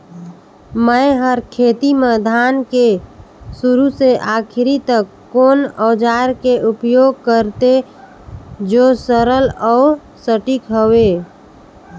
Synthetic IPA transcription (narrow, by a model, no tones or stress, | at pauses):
məɦəɾkʰeːt̪iməd̪ʱaːnkesuɾuseʔakʰɾit̪əkːoːnɔːd͡ʒaɾkeʔupjoːɡ̚kəɾt̪e | d͡ʒosəɾələu | səʈikɦəwe